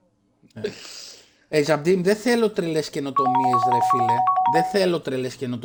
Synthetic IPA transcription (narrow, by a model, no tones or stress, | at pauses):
ezɐbd̪imðeθelo̞t̪ɾelesceno̞t̪o̞miezðɾefileðeθelot̪ɾelesceno̞t̪